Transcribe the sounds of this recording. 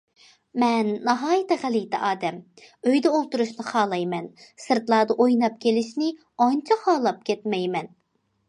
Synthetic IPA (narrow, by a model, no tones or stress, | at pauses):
mɛnːɑɦɑːjit̪ɛʁælɪjt̪ʰɛʔɑːd̪ɛm | øjd̪ɛolˠt̪uɾuʃnɨχɑːlˠɑjmɛnsɨɾt̪lˠɑːd̪ɑʔojnɑp̚kʲelɪʃnɪ | ɑnt͡ʃʰɑχhɑːlˠɑp̚kʲɛt̪mɛjmɛn